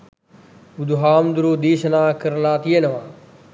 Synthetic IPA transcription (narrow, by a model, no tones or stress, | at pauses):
ud̪ʱɦaːmd̪uɾoːd̪iːʃɐnãːkəɾlaːt̪ijenɐʋãː